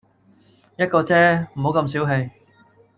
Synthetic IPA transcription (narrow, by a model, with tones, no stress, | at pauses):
jɐ˥t̚kɔː˧t͡sɛː˥m̩˨˩ho˨˥wkɐ˧ms̬iː˨˥wɦe˧j